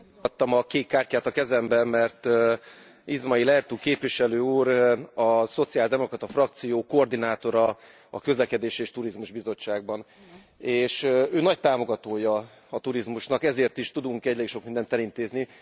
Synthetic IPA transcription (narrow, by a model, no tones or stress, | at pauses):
t̪ːɒmɒkeːkːaːrcaːt̪ɒkɛzɛmbɛmmɛrt̪ | izmɒilɛrt̪uːkeːpʋiʃɛløːuːɾɒso̞t̪sijaːld̪ɛmo̞krɒt̪ɒfrɒkt̪sijoːkoːrd̪inaːt̪o̞ɾɒ | ɒ̰køzlɛkɛd̪eːʃeːʃt̪uɾizmuʒbizo̞t͡ʃːaːɡ̚bɒn | eːʃøːnɒct̪aːmo̞ɡɒt̪oːjɒ | ɒt̪uɾizmuʃnɒkɛzeːrt̪iʃt̪ud̪uŋkɛɟleːkʃo̞kmind̪ɛnt̪ɛlint̪eːzni